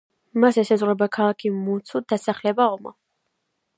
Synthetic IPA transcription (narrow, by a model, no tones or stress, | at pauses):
masɛsɛzʁwɾɛbakʰalˠakʰimut̪sʰut̪̚d̪̥asaχlɛbaɔmɔ̰